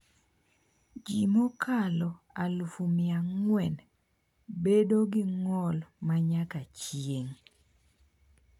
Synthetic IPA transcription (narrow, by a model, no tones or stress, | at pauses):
d͡ʒimokʰalɔ | alufumɪaŋwɛn | bedoɡɪŋɔlmaɲakat͡ʃjeŋ